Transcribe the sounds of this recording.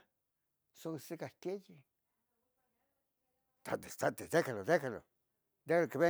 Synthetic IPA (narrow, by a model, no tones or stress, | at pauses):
sosikakeji | t̪a̰t̪est̪at̪ed̪ekalod̪ekalo̰ | d̪ekalokeβe